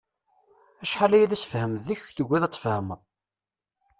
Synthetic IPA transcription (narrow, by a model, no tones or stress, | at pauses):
æʃħalæjæðæsə̥fhəmððiçθəɡʷːæðæt͡sːfhəməðˤ